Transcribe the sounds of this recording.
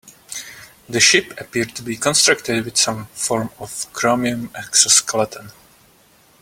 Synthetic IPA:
ðəʃɪpəpiɹd̚tubiːkɔ̃nst̪ɹaktɪdwɪð̥sãmfɔɹmɔfkʰɹɔmiə̃mɛksəskʰəlat̪ʰə̃n

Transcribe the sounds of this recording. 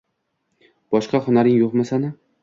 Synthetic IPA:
b̥ɒʃqɑχʊnaɾɪŋjoqmasanɪ

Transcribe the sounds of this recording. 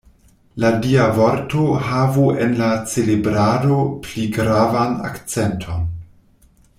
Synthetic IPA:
ladiavoɾtoɦavuḛnlat͡selebɾado̞pliɡɾavana̰kt͡sentʰo̞n

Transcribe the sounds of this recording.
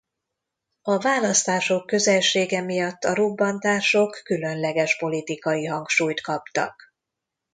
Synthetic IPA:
ɒvaːlɒst̪aːʃo̞kːø̞zɛlʃeːɡɛmijɒt̪ːɒɾobːɒnt̪aːrʃo̞kːylø̞nlɛɡɛʃpo̞lit̪ikɒjiɦɒŋkʃuːjt̪kɒpt̪ɒ̰k

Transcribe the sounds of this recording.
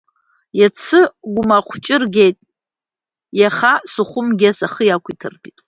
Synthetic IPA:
jat͡sʰɨɡʷʊmaqʷʰt͡ʃʼɪrɡʲejtʼ | jaχasuχʷʊmɡʲasaχəjakʷʰitʰɨ̰rpitʼ

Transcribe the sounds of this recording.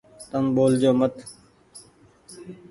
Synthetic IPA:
t̪əmɓoːld͡ʒoːmət̪

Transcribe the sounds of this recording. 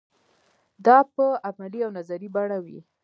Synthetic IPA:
d̪ɑpəamaliawnazaɾibaɽawḭ

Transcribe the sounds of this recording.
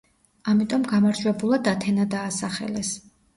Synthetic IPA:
amit̪ʼɔmɡamaɾd͡ʒwɛbulˠad̪at̪ʰɛnad̪aːsaχɛ̰lɛs

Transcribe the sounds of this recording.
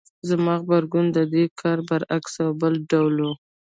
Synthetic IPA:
zamɑɣbaɾɡund̪əd̪ekʰɑɾbaɾaksawbəlɖawlu

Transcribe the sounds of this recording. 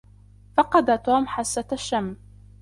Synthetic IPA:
fɑqɑd̪at̪oːmħasːat̪aʃːamː

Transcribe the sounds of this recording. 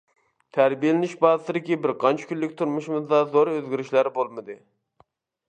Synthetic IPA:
t̪ʰæɾbijelɪnɪʃbɑːzɨt̪ɨd̪ɪkʲibɪɾqʰɑnt͡ʃʰɪ̥kʲylːɪkʲt̪ʰuɾmuʃimɨzd̪ɑzoɾøzɡʲiɾɪʃlæɾbolˠmɨd̪ɨ

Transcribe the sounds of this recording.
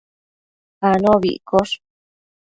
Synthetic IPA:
anõβḭʔkoʂ

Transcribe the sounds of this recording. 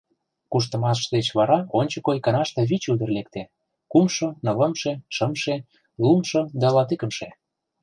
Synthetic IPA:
kuʃ̬t̪ə̆mɑʃd̪et͡ɕβɑɾɑonʲt͡ɕə̆kojkɑnɑʃt̪ĕβit͡ɕud̪ə̆rlek̚t̪e | kumʃonɤ̆lə̆mʃeʃəmʃe | lumʃod̪ɑlɑt̪ikə̆mʃe

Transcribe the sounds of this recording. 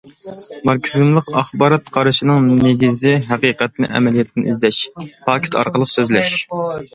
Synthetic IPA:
mɑɾkʲsɨzmlˠəqɑχbɑːɾɑt̪qʰɑɾɨʃinɨŋneɡʲizɪɦæqiqɛt̪̚nɪ̰ʔɛ̰mɛlijɛt̪ʰːɪnʔizd̪ɛʃpʰɑːkʲʰe̥t̪ʰɑ̰ɾqəlˠəqsøzlɛʃ

